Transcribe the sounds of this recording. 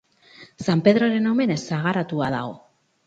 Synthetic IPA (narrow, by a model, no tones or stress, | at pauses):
sampe̞ðɾo̞ɾe̞no̞me̞ne̞saɣaɾat̪uað̞aɣo̞